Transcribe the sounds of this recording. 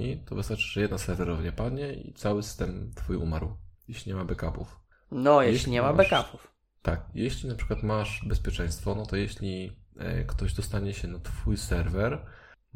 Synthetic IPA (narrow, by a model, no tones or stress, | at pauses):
it̪ɔvɨst̪aɾt͡ʂɘʐɛjɛd̪nasɛɾvɛɾɔvaɲɛpad̪ɲɛḭt̪sawɘsɘ̥st̪ɛmt̪fujṵma̰ɾwjeɕlʲiɲɛmabɛkapṵf | nɔjeeiɲɛmabɛkapuf | t̪ak̚jeɕlʲinapʂɘ̥kwat̪maʂbɛspʲjɛt͡ʂɛ̃j̃st̪fɔnɔt̪ɔjeɕlʲḭkt̪ɔʑd̪ɔst̪aɲɛɕɛnat̪fujsɛɾvɛɾ